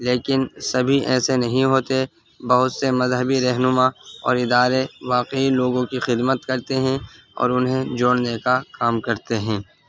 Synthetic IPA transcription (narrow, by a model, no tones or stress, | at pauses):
leːkɪnsɐbʱiʔɛ̰ːsenɐɦĩɦoːt̪e | bɐɦʊt̪semɐzɦəbiɾɐɦnʊmaɔ̰ːɾɪd̪aːɾeʋaːqeiloːɡõkixɪd̪mət̪kɐɾt̪eɦɛ̃ | ɔ̰ːɾʊnɦẽd͡ʒoːɽnekakaːmkɐɾt̪eɦɛ̃ː